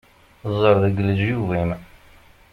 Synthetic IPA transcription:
zˤəɾˤðəɡləzjuvim

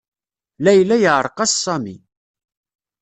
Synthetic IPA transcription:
læjlːæjəʕɾˤqɑssˤɑmḭ

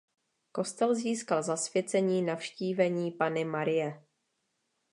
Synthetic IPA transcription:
ko̞st̪ɛlziːskalzasvjɛt͡sɛɲiːnafʃciːvɛɲiːpanɪmaɾɪjɛ

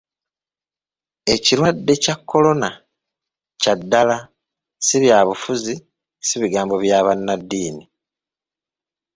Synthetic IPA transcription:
e̞ciɾwadːe̞cakːo̞lo̞na | cadːala | siβjaːβufuzi | siβiɡaːmbo̞βjaːβanːad̪ːiːni

